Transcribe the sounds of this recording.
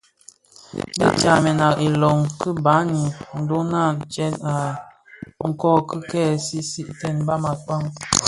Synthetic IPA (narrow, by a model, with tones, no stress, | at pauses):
bḭ˦t͡ʃa˨mɛ˨na˨ki˨lɔ˨ŋkə˦ba˨˦ni˨n̩˨do˦na˦˨t͡ʃɛ˦na˨ | ŋ̩˦kɔː˦kə˦kɛ˦˨si˦si˦ʔtɛ˦˨nba˦ma˨k͡pa˦ŋ